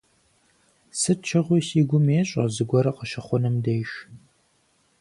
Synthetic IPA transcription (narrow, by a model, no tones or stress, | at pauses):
sɨt͡ʃʰɐʁʷʊsiːɡʷʊmeːɕʼɐ̰zɨɡʷɔɾɐqəʃɐχʷɔnɨmdɐjʃ